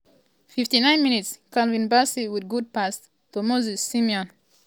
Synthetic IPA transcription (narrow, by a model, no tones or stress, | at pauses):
fift̪inãɪ̃nmĩnitskãnvĩnbasiwidɡud̚past | t̪umozisːimjɔ̃n